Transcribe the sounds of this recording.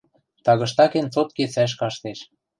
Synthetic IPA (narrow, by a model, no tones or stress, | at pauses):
t̪ɑɣɤ̆ʃt̪ɑkent͡sot̪̚ket͡sæʃ̬kɑʃt̪eʃ